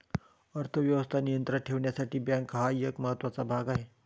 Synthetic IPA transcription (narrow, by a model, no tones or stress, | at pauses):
əɾt̪ʰəʋjəʋəst̪ʰanijənt̪ɾaʈʰeʋɳjasaʈiːbjãŋkɦajəkməɦət̪ːʋat͡sabʱaɡaɦe